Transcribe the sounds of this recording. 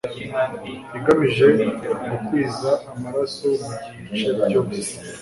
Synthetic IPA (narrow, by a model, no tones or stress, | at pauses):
jiŋɡamiʒe̞ŋukwiːzaːmaɾaso̞muɟit͡ʃeco